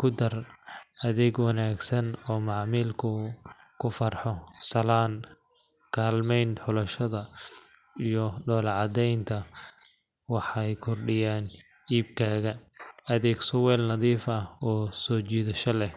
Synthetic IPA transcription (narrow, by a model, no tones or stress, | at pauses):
kʰʊd̪ɐrɐðɛɡwɑnaːɡsɐnɔːmɑʕmiːlkʰʊ | kʰʊfɐrħɔsɐlaːn | kʰaːlmɛjnħʊlɐʃɐðɐ | ijɔɖɔːlʕɑd̪ɛjnt̪ʰɐ | wɑħɑjkʰɔrɖɪjaːn | iːb̚kʰaːɣɐ | ɐðɛːɡsɔwɛːlnɐðiːfɐhɔːsɔːt͡ʃiːðɐʃɐlɛh